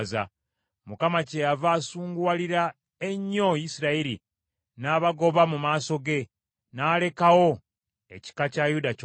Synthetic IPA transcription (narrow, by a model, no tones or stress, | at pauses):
za̰ | mukamacejavaːsuːŋɡwaliɾa | eɲːo̞jisiɾaiɾi | naːβaɡo̞βamumaːso̞ɡe̞ | naːle̞kawo̞ | e̞̰ci̥kacajuda